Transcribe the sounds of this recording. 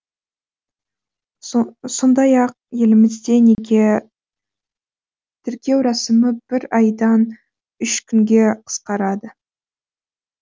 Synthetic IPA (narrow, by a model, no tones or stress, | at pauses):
so̞nd̪ɑjɑq̚je̞lɪmɪzd̪e̞ne̞ɡʲe̞ | t̪ʰʏɾkʲe̞wɾɑsəməb̥ɪɾɑjd̪ɑn | ʏʃkʲʰʏŋɡʲe̞qʰə̥sqɑɾɑd̪ə